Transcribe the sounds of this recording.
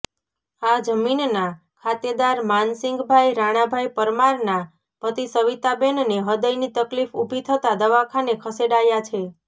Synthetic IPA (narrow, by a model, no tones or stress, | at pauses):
ad͡ʒəminna | kʰat̪jəd̪aɾmansɪŋɡbʱajɾaɽ̃abʱajpəɾmaɾna | pət̪isəʋit̪abenneɦəd̪əjnit̪əklifubʱit̪ʰət̪ad̪əʋakʰanekʰəseɽajat͡ʃʰe